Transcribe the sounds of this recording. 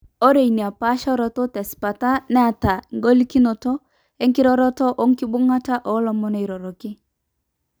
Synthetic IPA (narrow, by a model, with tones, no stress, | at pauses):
o˦ɾe˨i˨ni˨a˨pa˦ʃɔ˦ɾɔ˨tɔ˦tɛ˨si̥˨pa˨ta˦nɛ˦a˨ta˨ŋɡo˦li˦ki˦no˨tɔ˦ | ɛ˦ŋkɪ˦ɾɔ˦ɾɔ˦tɔ˦ʔo˦ŋki˦bʊ˦ŋa˦ta˦ʔɔ˨˦lɔ˨mɔ˦ne˨i˨ɾo˨ɾo˨kɪ˦